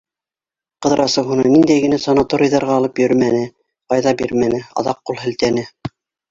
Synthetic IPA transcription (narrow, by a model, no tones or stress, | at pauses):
qɤ̆ðɾʔɑsɤɦunɤnind̪æjɡɘ̆næsɑnɑt̪oɾʲijðɑɾʁɑːlˠɤpjɵ̆ɾmænɘ | qɑjðɑbiɾmænɘɑ̰ðɑqːulˠhɘ̆lt̪ænɘ